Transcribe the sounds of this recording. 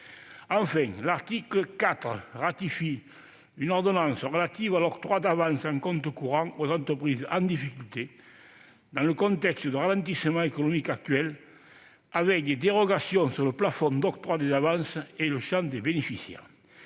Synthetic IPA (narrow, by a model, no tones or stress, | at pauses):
ɑ̃fɛ̃ŋlaʁt̪ikləkat̪ʁəʁat̪ifi | ynɔʁd̪onɑ̃nsəʁəlat̪ivalɔkt̪ʁwad̪avɑ̃nsɑ̃ŋkɔ̃nt̪əkuʁɑ̃ŋozɑ̃nt̪ʁəpʁizəɑ̃nd̪ifikylt̪e | d̪ɑ̃ləkɔ̃nt̪ɛkst̪əd̪əʁalɑ̃nt̪isəmɑ̃ekonomikak̚t̪ɥɛl | avɛk̚d̪ed̪eʁoɡasjɔ̃ŋsyʁləplafɔnd̪ɔkt̪ʁwad̪ezavɑ̃nsəeləʃɑ̃ŋd̪ebenefisjɛ̰ʁ